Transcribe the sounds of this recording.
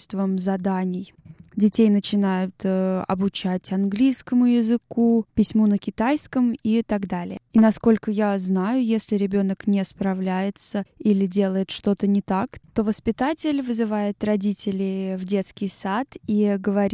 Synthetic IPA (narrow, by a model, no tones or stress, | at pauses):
st̪vəmzɐd̪anʲɪj | dʲɪtʲejnət͡ɕɪnajʊt̪əɐ̰bʊt͡ɕætʲɐnɡlʲijskəmʊjɪzɨkupʲɪsʲmunəkʲɪt̪ajskəmit̪aɡd̪alʲɪ̰jəinɐsko̞lʲkəjaznajʊjesʲlʲɪɾʲɪbʲo̞nəknʲɪspɾɐvlʲæjɪt̪səilʲɪdʲe̞lˠəjɪt̪ʂt̪o̞t̪ənʲɪt̪akt̪o̞vəspʲɪt̪atʲɪlʲvɨzɨvajɪt̪rɐdʲitʲɪlʲɪvdʲe̞t̪skʲɪjsat̪iɡəvɐɾʲi